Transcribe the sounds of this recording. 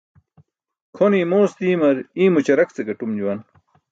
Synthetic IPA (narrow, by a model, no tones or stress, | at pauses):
kʰoniːmoːsd̪iːmɐɾiːmut͡ɕɐɾɐkt͡seɡɐʈumd͡ʑuwɐn